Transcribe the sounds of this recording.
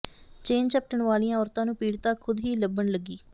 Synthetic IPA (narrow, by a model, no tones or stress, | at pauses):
t͡ʃeːnt͡ʃəp̚ʈəɳʋaːliːãːɔːɾt̪ãːnũːpiːɽt̪aːkʰʊd̪ɦiːləbːəɳləɡːiː